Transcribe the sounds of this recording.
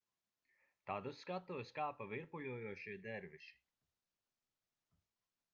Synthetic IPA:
t̪ad̪uskat̪uɔskaːpaviɾpuʎʲuɔjuɔʃiɛd̪ɛɾviʃi̥

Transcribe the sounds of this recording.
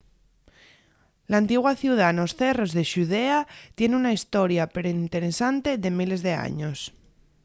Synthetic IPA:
laːnt̪iɣwaθjuwð̞ano̞sθe̞ro̞zðe̞ʃuð̞e̞at̪je̞neunaist̪o̞ɾjapeɾoint̪e̞ɾe̞sant̪e̞ðe̞mile̞zðe̞a̰ɲo̞s

